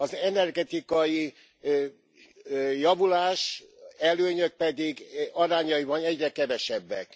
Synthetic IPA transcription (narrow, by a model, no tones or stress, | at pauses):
ɒzɛnɛrɡɛt̪ikɒji | jɒvulaːʃɛløːɲøk̚pɛd̪iɡɒɾaːɲɒjivɒnɛɟrɛkɛvɛʃɛbːɛ̰k